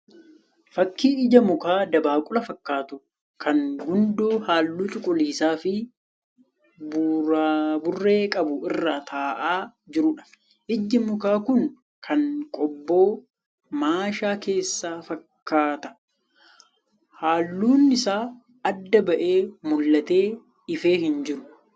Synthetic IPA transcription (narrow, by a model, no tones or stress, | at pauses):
fɐkːiːɪd͡ʒɐmʊkaːd̪ɐbaːkʼʊlɐfɐkːaːt̪ʊ | kʰɐŋɡʊnd̪oːhaːlːuːt͡ʃʼʊkʼʊliːsaːfɪ | bʊɾaːbʊrːe̞ːkʼɐbʊɪrːaːt̪ʰaːʔaː | d͡ʒɪɾʊᶑɐ̥ | ʔɪd͡ʒːɪmʊkaːkʊŋ | kʰɐŋkʼɔbːo̞ː | maːʃaːke̞ːsːaːfɐkːaːt̪ɐ̥ | haːlːuːnːɪsaː | ɐd̪ːɐbɐʔe̞ːmʊlːɐt̪e̞ː | ɪfe̞ːɦɪnd͡ʒɪɾʊ